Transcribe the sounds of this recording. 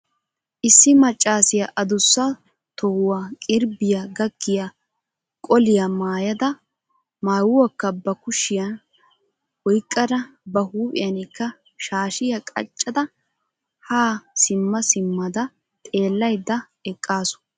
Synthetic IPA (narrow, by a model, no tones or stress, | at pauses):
ʔɪsːɪmɐt͡ʃʼːaːsɪjɐʔɐd̪ʊsːɐ | t̪ɔhʊwaːkʼɪɾbɪjɐɡɐɡːɪjɐ | kʼɔlɪjɐmaːjɐd̪ɐ | maːwʊwɐkːɐbɐkʊʃɪjɐn | ɔjkʼːɐd̪ɐbɐhuːpʼɪjɐnɪkːɐ | ʃaːʃɪjɐkʼɐ̰t͡ʃʼːɐd̪ɐ | haːsɪmːɐsɪmːɐd̪ɐ | t̪ʼe̞ːlːɐjd̪ːɐ | ɛkʼːaːsʊ̥